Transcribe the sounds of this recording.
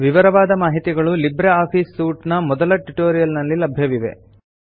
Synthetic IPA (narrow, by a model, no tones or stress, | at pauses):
ʋiʋɐɾɐʋaːd̪ɐmaːɦit̪iɡɐɭulibɾeaːpʰiːsːuːʈnɐmɔd̪ɐlɐʈuʈoːɾijɐlnɐlːilɐbʱjɐʋiʋe̞̰